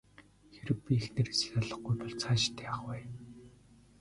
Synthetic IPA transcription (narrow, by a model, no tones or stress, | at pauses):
xeɾɘ̆k̚pʲiexnĕresɘ̥̆ɮjaɮə̆χɡujpɔɮt͡sʰaːt͡ɕɪ̥t̪ʰːæːaχwæː